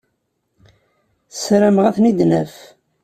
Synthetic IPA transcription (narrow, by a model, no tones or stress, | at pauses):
θsɾəmʁæθnid̪næf